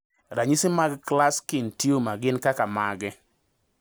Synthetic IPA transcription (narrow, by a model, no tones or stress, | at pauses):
ɾaɲisɪmaɡklaskɪntjomaɡɪnkakamaɡɛ